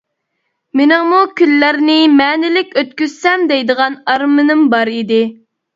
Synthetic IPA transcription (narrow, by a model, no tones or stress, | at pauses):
mɪnɪŋmukʲʰylːæɾnɪmɛːnɪlɪkʲøt̪̚kʲyzsɛmd̪ɛjd̪əʁɑnɑɾmɨnɨmbɑɾid̪ɪ